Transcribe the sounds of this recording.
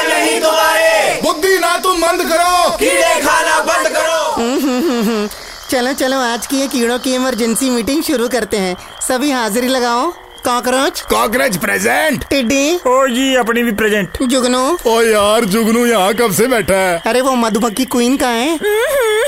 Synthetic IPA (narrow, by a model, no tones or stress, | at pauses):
nɐɦĩɡ̪oaːɾebʊd̪ʱːinat̪ʊ̃mbɐ̃nd̪kɐɾoːkiɖekʰaːnabɐ̃nd̪kɐɾoːɦːɦɦɦ | t͡ʃɐlõt͡ʃɐlõaːd͡ʒkiɦɛ̃kiːɽ̃õkiɪməɾd͡ʒə̃nsimiːʈɪ̃ŋɡʃʊɾukɐɾt̪eɦɛ̃ː | sɐbʱiɦaːzɪɾilɐɡaːo | kãːkɾə̃t͡ʃkãːk̬ɾə̃d͡ʒpɾeːzeɳʈʈɪɖioːd͡ʒiːɐp̬nibʱipɾɛːd͡ʒẽɳʈd͡ʒʊɡnoɔːjaːɾd͡ʒʊɡnojɐɦãkɐbsebɛːʈʰaɛɐɾeʋoːmɐd̪ʱbɐkːikwiːnkãːɦẽː